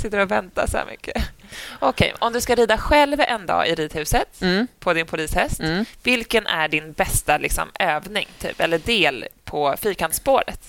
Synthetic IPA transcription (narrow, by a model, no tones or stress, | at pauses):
sɪt̪ːəɾɔvɛnt̪a̰sɔhæ̰mʏ̰kʰːəʔɔkʰɛ̰jɔmd̪ɵskaɾiːd̪aɧɛlvɛnd̪ɑ̰ːʔɪɾiːd̪hʉ̟ːsət̪ːpʰɔd̪ɪnpʰʊliːshɛst̪vɪlkənʔæɖɪnbɛst̪alɪksɔ̰møːvnɪŋt̪ʰy̰ːpɛlːəɖ̪eːlpʰɔfiːkanspoːɾə̰t̪